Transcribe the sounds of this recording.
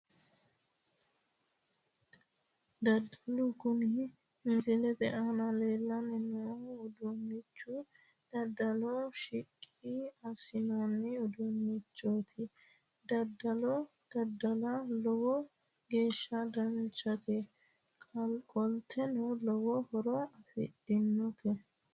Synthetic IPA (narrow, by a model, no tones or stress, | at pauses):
d̪ɐd̪ɐlʊɡʊnɪ | mɪzɪlɛd̪ɛʔanɐle̞ːlːɐnɪnɔʊd̪ʊnːɪt͡ʃːʊ | d̪̥ɐd̪ɐlɔʃɪkʼːiɐsɪnanːɪʊd̪ʊnːɪt͡ʃːoːt̪ʰɪ | d̪ɐd̪ɐlɔ | d̪̥ɐd̪ɐlɐlɔwɔ | ɡe̞ːʃːɐd̪ɐnt͡ʃʼɐt̪ɛ | kʼɔlt̪ʰːɛnʊlɔwɔhɔɾɔɐfɪ̰ᶑɪnːʊt̪ɛ